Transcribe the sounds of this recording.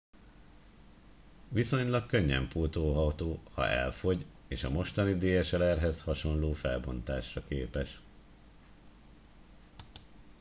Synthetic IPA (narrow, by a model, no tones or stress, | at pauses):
ʋiso̞ɲlɒkkøɲːɛ̰mpuːt̪oːɦɒt̪oːhɒ̰ʔɛ̰lfo̞ɟ | eːʃɒmo̞ʃt̪ɒnid̪eːjɛʃɛlɛrɦɛshɒʃo̞nloːfɛlbo̞nt̪aːʃrɒkeːpɛʃ